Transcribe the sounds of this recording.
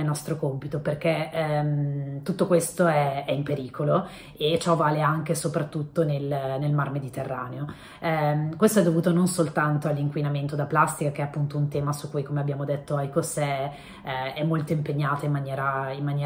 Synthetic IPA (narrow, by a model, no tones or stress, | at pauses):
elnɔst̪ɾokompit̪operk̟emt̪ut̪ːokwest̪oɛɛimpeɾiːkʰolo | et͡ʃɔvaːleaŋk̟esopɾat̪ːut̪ːonelnelmarmed̪it̪erːaːneo | kwest̪oɛd̪ːovuːt̪ononsolt̪ant̪oalːiŋkwinament̪od̪aplast̪ikakeɛapːunt̪ount̪ɛːmasukːujkomeabjaːmod̪et̪ːoajkosɛ | ɛmːolt̪oimpeɲːaːt̪oimːanjɛːɾaimːanjɛː